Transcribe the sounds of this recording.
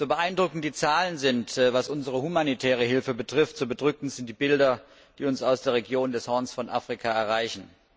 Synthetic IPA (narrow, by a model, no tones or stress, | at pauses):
z̥oːbəʔaɪndʁʊkn̩td̥iːt͡saːlənzɪntːvasʔʊnzəʁəhumanitʰɛːʁ̞əɦɪlfəbətʁ̥ɪftz̥oːbədʁʏkn̩z̥ɪnt̚d̥iːbɪldɐ | d̥iːʊnsaʊsd̥eːɐʁeɡjoːndɛshɔɐnsfɔnʔa̰ːfʁ̥ikʰaɛɐʁ̞aɪçn̩